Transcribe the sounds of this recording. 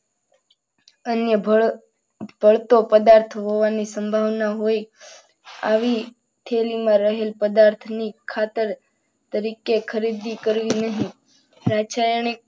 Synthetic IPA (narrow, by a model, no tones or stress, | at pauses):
ənjəb | b̥ʱəɭt̪opəd̪aɾt̪ʰɦoʋanisəmbʱaʋnaɦoj | a̰ʋi | t̪ʰelimãɾəɦelpəd̪aɾt̪ʰnikʰːat̪əɾ | t̪əɾikekʰəɾid̪ikəɾʋinəɦĩ | ɾat͡ʃʰajəɳe